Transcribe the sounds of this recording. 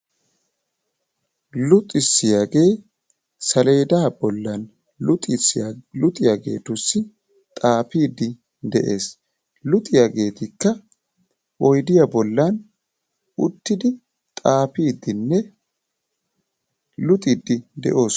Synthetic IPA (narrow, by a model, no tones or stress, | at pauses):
lʊt̪ʼɪsːɪjaːɡe̞ː | sɐle̞ːd̪aːbɔlːɐn | t̪ʼslʊt̪ʼɪjaɡe̞̰ːt̪ʊsːɪ | t̪ʼaːpiːd̪ɪ | d̪ɛʔe̞ːs | lʊt̪ʼɪjaɡe̞ːt̪ɪkːɐ | ɔjd̪ɪjɐbɔlːɐn | ʊt̪ːɪd̪ɪ | t̪ʼaːpiːd̪ːɪnːɛ | lʊt̪ʼɪd̪ːɪd̪ɛ̰ʔo̞ːs